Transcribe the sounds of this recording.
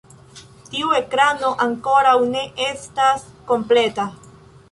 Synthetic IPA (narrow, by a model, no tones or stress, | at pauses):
tiue̞kɾano̞ʔaŋko̞ɾawne̞ʔe̞stasko̞mple̞ta